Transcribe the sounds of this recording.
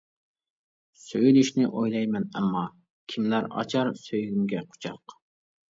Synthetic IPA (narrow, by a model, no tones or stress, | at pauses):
søjlyʃnɪʔojlˠɑjmɛnɛmːɑ | kʲʰimlæɾɑ̰t͡ʃʰɑɾsøjɡʲymɡʲɛqʰo̥t͡ʃʰɑ̰q